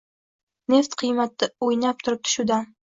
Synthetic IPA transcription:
ne̞ft̪qʰɨjmat̪ːaojnap̚t̪ʰʊɾɪp̚t̪ʰʊ̥ʃud̪an

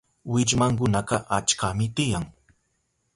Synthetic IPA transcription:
wɪt͡ʃmaŋk̬ʊnaqɑʔat͡ʃkamɪt̪ɪjaŋ

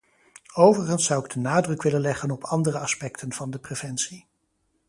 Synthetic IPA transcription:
owvərχənsːʌwɪɡ̚dənaːdrɵkʋɪlənlɛχənɔpʰɑndərəɑspɛktʰənv̥ɑndəprev̥ɛnsi

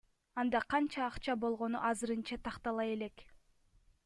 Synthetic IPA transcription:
ɑnd̪ɑqʰɑnt͡ʃɑːqt͡ʃɑbo̞lˠʁo̞nṵʔɑzɯɾɯnt͡ʃɑt̪ʰɑqt̪ɑlˠɑje̞le̞k

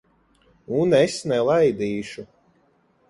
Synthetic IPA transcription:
unɛsnɛlˠajd̪iːʃu

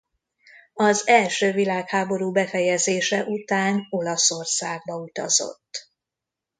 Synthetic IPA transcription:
ɒzɛlʃøːvilaːkhaːbo̞ɾuːbɛfɛjɛzeːʃɛʔut̪aːno̞lɒso̞rsaːɡ̚bɒut̪ɒ̰zo̞̰t̪ː

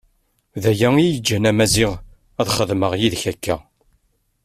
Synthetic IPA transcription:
ðæjæijəd͡ʒːænæmæziʁ | æðχəðməʁjiðçækːæ

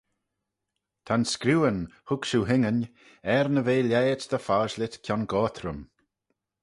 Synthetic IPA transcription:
t̪ʰanskɾuːənhʊkʃuɦɪŋən | ɛɾnəveːlʲɛjət̪d̪əfaːzlɪt̪kʰjɔnɡɔːt̪ʰɾəm

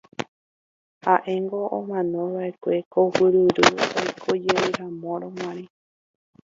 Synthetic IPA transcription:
haʔẽŋɡoʔõmãnõβaʔe̞kʷe̞kohɨɾɨɾɨojkʰod͡ʒeɾeɾãmõɾõmãɾĩ

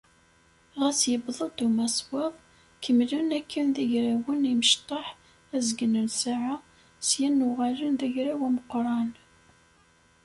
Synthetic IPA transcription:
ʁæsjəbðˤəd̪umæsˤwɑðˤ | kʰəmlunækʰːænðæʝɾæwəniməʃt̪ˤɑħ | æzɡənənsaʕa | sjænːuʁalənðæʝɾæwæməqːɾˤɑn

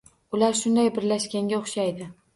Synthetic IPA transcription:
ʊlaɾʃʊnd̪ajbɪɾlaʃkʲaŋɡʲaoχʃajd̪ɪ

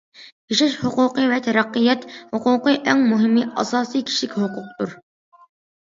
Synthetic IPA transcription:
pʰiʃɪʃhʊqʊqɨvɛt̪ʰɛɾɛqːɨjɛt̪hʊqʊqɨʔɛŋmuɦɪmːɨɑ̰sɑːsɨjkʲʰi̥ʃɪkʲhʊqʊqt̪ʰuɾ

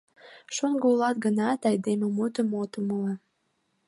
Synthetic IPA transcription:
ʃoŋɡəulɑt̪ɡənɑt̪ɑjd̪ememut̪ə̆mot̪ə̆məlɑ

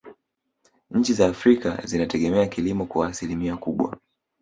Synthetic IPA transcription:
ɲ̩t͡ʃizaːfɾika̰zinatɛɠɛmɛakilimɔkwaːsilimiakuɓwa̰

